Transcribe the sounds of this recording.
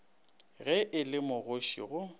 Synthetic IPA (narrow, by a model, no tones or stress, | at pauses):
ɣɛʔɪlɪmʊɣoʃḭɣʊ